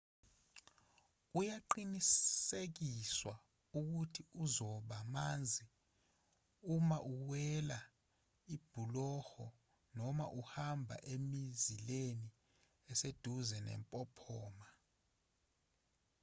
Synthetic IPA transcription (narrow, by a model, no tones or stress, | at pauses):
ujaǃinissek̬iswa | uk̬utʰiuzɔɓamand͡zʱi | umaʔuwɛla | ib̥ʱulɔhɔ | nɔma̰ʔuhambʱa̰ʔemizileni | ɛsed̥ʱuzɛnɛ̰mpʼɔpʰɔːma